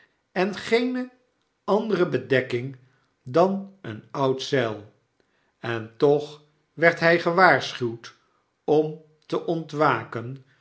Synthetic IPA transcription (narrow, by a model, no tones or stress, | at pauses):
ɛnχejnə | ɑndərəbədɛkɪŋ | dɑnənɑwtsɛlˠ | ɛntɔχ | ʋɛɹtɦɛjχəʋaːɹsχywt | ɔm | təʔɔntʋaːkən